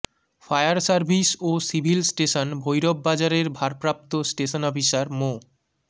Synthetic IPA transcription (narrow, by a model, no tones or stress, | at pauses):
fajaɾsaɾbʱisosibʱilsʈeʃonbʱojɾobːad͡ʑaɾeɾbʱaɾpɾap̚t̪osʈeʃonɔbʱiʃaɾmo